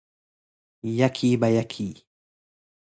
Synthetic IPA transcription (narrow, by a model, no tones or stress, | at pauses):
jakʰiːbajakʰiː